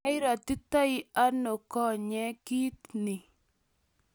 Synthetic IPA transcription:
ɪ˦ɾa˨t̪u˦ta˦i˦a˦no˨kɔ˦ɲɛ˦ki˦t̪̚ni˨

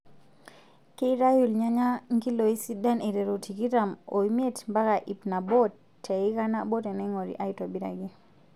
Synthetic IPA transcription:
ki˦ɾa˦ju˨lɲa˦ɲa˦ŋɡi˦lo˨i˦si˦da˦ne˨ɾɛ˨ɾo˨ti˨ki˦ɾa˨mo˨i˦m˦e˦tmba˦ka˨ʔi˨pna˨bɔ˦tʰː | ɛ˨i˦ka˦na˦bo˦te˨nɛ˦ŋo˨ɾḭ˨ʔa˦i˦to˨bi˦ɾa̰˨ɡi˦

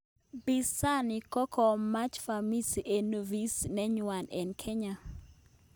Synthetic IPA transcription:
bi˦sa˦ni˨kɔ˦kʰɔ˨ma˦t͡ʃfa˨mi˦si˨ʔe˨no˨vi˦snɛ˦ɲwa˨nɛ˨nkʰe˦ɲa˨

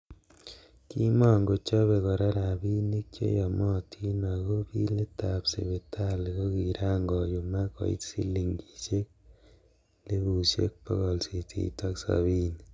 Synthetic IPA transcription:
ki˦ma˦ŋɡo˨t͡ʃɔ˦βe˨ɣɔ˨ɾa˦ɾa˨bi˦ne˦kt͡ʃḛ˦jɔ˨mɔ˦tʰi˦na˨ɣo˦bi˦le˦ta˨psḛ˨βe˨tʰa˦li˨ɣo˦ki˨ɾaː˦ŋɡɔ˨ju˨ma˦kɔ̰˨ḭ˦tsi˦li˨ŋɡi˨ʃe˦k̚ | le˦βu˨ʃjḛ˦k̚pɔ˦ɣɔ˨lsi˨tʰḭ˨ta˦ksa̰βi˦ni

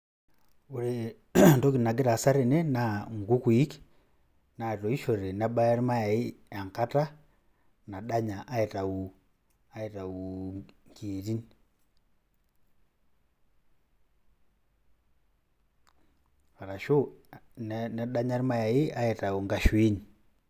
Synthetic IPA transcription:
u˨ɾe | nto˦kina˨ɡi˦ɾa˨sa˦ɾe˨ne˦naŋɡu˦kwi˦k | na˨to˨i˦ʃo˨ɾe˨na˦ba˦ja˦ɾi˦ma˦ja˨i˦a˨ŋka˦ta˦ | na˨ɗa˦ɲa˨ʔa˦e˨ta˨u˨ | a˦e˨ta˨uŋkiːɾi˦ni | a˨ɾa˨ʃo˦nna˨ɗa˦ɲa˦ɾi˦ma˦ja˨ji˦a˦e˨ta˨u˨ŋɡa˨ʃwiː˦ni

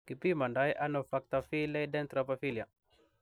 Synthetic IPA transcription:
ki˨pi˦ma˨nda˦ja˦no˨fa˦k̚t̪a˨fi˦le˦jdɛ˦nt̪ɾa˨po˦fi˦li˨a˨

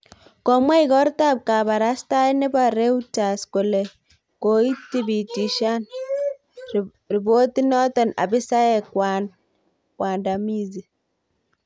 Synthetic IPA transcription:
kɔ˨mwa˦i˨kɔ˦ɾta˦˨p̚ka˨ba˨ɾa˦sta˦i˦nɪ˦ba˨ɾe˦u˦ta˨sko˨lɛ˨ | ko˨i˦ti˦bi˨ti˨ʃa˦n | ri˨bo˦ti˦nɔ˦tɔ˨na̰˨bɪ˦sa˦ɛ˦˨kwan | kwʔa˨nda˨mi˦zi˨

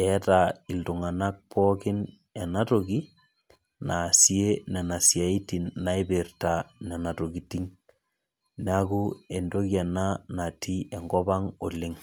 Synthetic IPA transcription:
ɛ˨˦ta˨i˨ltu˨ŋa˨na˦k̚pʰɔ˦kɪ˦n | ɛ˨na˦to˨ki˦ | na˨sje˦nɛ˨na˨sja˨i˦ti˨nːa˦i˦be˨rta˨nɛ˨na˨to˨ɡi˨ti˦ŋ | na˦ku˦e˨ndo˦kja˨na˦na˨tʰi˦ɛ˨ŋɡɔ˦ba˦ŋo˨lɪ˦ŋ

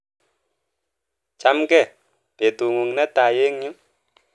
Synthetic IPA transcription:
t͡ʃamkɛ˦ | b̥e˨t̪uŋu˨ŋnɛ˦t̪aje˦ŋɲu˦

